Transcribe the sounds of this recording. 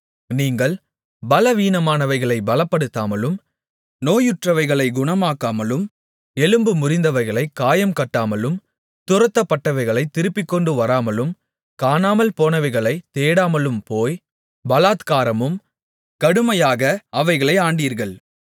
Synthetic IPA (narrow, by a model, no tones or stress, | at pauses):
niːŋɡɐɭ | bɐlɐʋiːnɐmaːnɐʋɐɪɣɐɭɐɪbɐlɐpːɐɽɯt̪ːaːmɐlɯm | noːjɯʈrɐʋɐɪɣɐɭɐɪɡʊɳɐmaːkaːmɐlɯm | ɛlɯmbɯmʊrɪnd̪ɐʋɐɪɣɐɭɐɪkːaːjɐmkɐʈːaːmɐlɯm | t̪ʊɾɐt̪ːɐpːɐʈːɐʋɐɪɣɐɭɐɪt̪ːɪɾɯpːɪkːɔɳɖɯʋɐɾaːmɐlɯm | kaːnaːmɐlpoːnɐʋɐɪɣɐɭɐɪt̪eːɽaːmɐlɯmpoːj | bɐlaːt̪kaːɾɐmɯm | kɐɽɯmɐjaːɣɐɐʋɐɪɣɐɭɐɪaːɳɖiːɾɣɐɭ